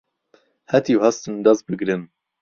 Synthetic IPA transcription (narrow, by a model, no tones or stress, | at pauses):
hɛt̪iwhast̪ɨnd̪ɐz̚bɨɡɾɨn